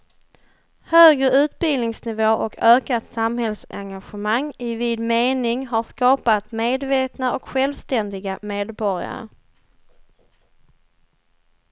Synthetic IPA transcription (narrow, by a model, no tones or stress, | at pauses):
høːɡɾəʉ̟ːt̪̚bɪlnɪŋsnɪvoːʔɔkʰøːkat̪samhɛlsɛ̰ŋɡaɧəmaŋːɪviːd̪meːnɪŋɦaʂkɑːpat̪meːd̪veːt̪naɔkɧɛlvst̪ɛnd̪ɪɡameːd̪bɔɾɪa̰ɾə̰